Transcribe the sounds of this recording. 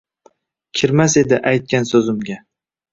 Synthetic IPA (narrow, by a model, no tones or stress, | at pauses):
kʲʰɪɾmase̞d̪ɪʔajt̪̚kʲansɵzɪmɡʲa